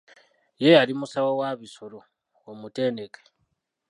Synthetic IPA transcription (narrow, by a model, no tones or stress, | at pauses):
jeaɾimusawowaβisoɾo | womutenekʼe̥